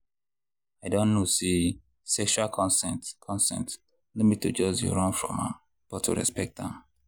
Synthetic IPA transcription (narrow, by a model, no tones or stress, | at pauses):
aɪdõnnosi | sɛkʃakʰɔ̃nsɛ̃ntkʰɔ̃nsɛ̰̃nt | limĩtʰud͡ʒɔd͡ʒjɔ̰ɹɔ̃nfɹɔ̰̃mã̰ | b̥ɔtʰːṵɹɛ̰spɛk̚t̚ðã̰m